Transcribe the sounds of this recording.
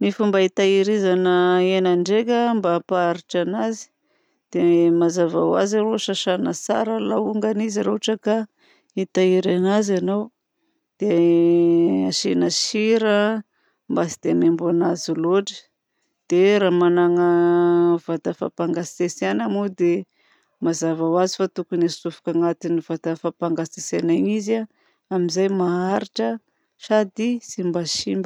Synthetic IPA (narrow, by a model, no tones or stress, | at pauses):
mifumbait̪aiɾizanəenaɳɖ͡ʐekəmbapaaɾiʈ͡ʂanazi̥ | d̪̥emazava̰wa̰ziɾoʃaʃanəsa̰ɾəlauŋɡaniziɾoaʈ͡ʂəka | it̪aiɾanazanow | d̪̥e | aʃenaʃiɾə | mbasid̪̥eanembuanaziloʈ͡ʂə̥ | d̪̥eɾaːmanaŋə | vat̪afa̰paŋɡaesanamud̪e | mazavawazifat̪ukunasufu̥kaŋat̪inivat̪afapaŋɡasesanaɲiza | amizajmaaɾiʈ͡ʂə | ʃad̪isimbaʃimb